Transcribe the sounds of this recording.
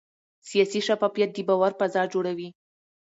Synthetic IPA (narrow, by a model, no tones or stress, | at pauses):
sijɑsiʃafɑfijat̪̚d̪ibɑwaɾpazɑɾd͡ʒoɽawi